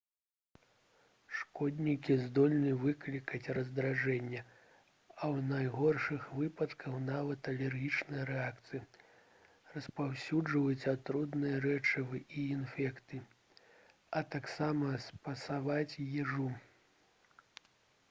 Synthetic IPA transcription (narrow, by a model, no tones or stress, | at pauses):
ʂkɔd̪ʲnʲikʲizd̪ɔlʲnɨvɨklʲikɐt͡sʲrɐzd̪ɾaʐɛnʲːɐ | ɐwnajɣɔrʂɨxvɨpɐt̪kʰɐxnavɐt̪ɐlʲɛrɣʲit͡ʂnɐjɐɾɛakt̪sɨji | rɐspawsʲuʐɨvɐt͡sʲat̪ɾud̪nɨjɐɾɛt͡ʂɐvɨʔiːnfʲɛkt̪ɨ | ɐt̪aksamɐspɐsavat͡sʲjɛʐu